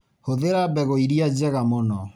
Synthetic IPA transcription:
hoðeɾabɛɣoiɾiad͡ʑɛɣamɔnɔ

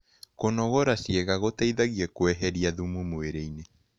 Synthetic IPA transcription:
konɔɣoɾasjeɣaɣotaiðaɣiɛkwɛɦɛɾiaðumumoeɾeine

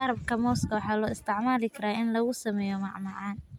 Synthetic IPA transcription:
ɐɾɐb̚kʰɐmɔːskʰɐwɑħɑːlɔːɪst̪ʰɪʕmaːlɪkʰɐɾaːʔɪnlɐɣʊsɐmɛːjɔmɑʕmɑʕɑːn

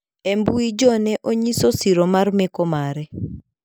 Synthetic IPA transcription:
embuid͡ʒɔnɛʔoɲisosiɾomarmekomaɾɛ

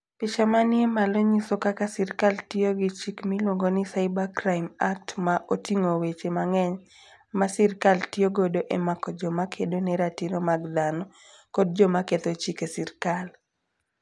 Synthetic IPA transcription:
pɪt͡ʃamanɪemaloɲisɔkakasɪrkaltɪoɡɪt͡ʃikmilwoŋɡonɪsaɪbakɾaɪmak̚tmaʔotiŋowet͡ʃemaŋɛɲ | masɪrkaltɪoɡodoʔemakɔd͡ʒɔmakʰedonɛɾatiɾomaɡd̪anɔ | kɔd̚d͡ʒɔmaket̪ot͡ʃikesɪrkal

